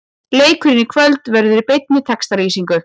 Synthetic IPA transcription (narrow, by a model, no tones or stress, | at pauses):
leːjkʰʏɾɪnːɪkʰvœlt̪vɛɾðʏɾipejt̪̚nɪt̪ʰɛkst̪aɾiːsiŋkʏ